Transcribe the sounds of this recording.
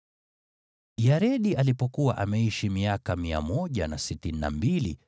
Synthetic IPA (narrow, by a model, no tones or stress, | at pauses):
jaɾɛɗiʔalipɔkuwa̰ʔamɛiʃimiakamia̰mɔʄanasitinina̰mbili